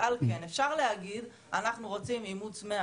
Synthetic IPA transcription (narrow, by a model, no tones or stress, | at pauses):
alkenefʃaʁle̞haɡid̪ | anaχnuʁo̞t͡simimut͡sme